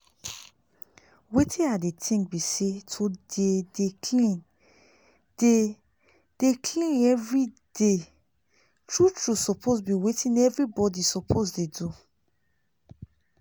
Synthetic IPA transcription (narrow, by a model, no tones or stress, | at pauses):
wetʰĩadetʰĩŋk̚bisetʰodedekʰlĩn | d̥e | d̥ekʰlĩnɛvɹi | de | tɹutɹusɔpʰosbiwetʰĩnɛvɹibɔdisɔpʰosdedu